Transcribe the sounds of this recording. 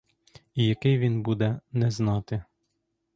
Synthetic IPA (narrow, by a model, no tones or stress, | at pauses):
ijɐkɪjʋʲinbud̪ɛnɛznɑt̪ɪ